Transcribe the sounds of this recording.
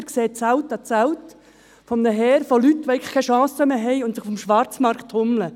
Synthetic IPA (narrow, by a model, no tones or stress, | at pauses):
ɾkseːt͡sælt̪ɑt͡sæʊt | fɔmnəɦɛːɾfolyt̪ʋoɛɪɡlə̥χkʰɛʃɑ̃ːsəmeːɦɛjʊnt̪səχfɔmʃʋɑɾt͡smɑɾktʰhʊmlə